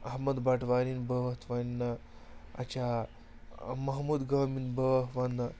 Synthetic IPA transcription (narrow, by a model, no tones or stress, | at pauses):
ɐɦməd̪baʈʋaɾinbəʋt̪ʰʋannːaɐ̰t͡ɕa | mɐɦmuːd̪ɡɐminbəɦʋanːa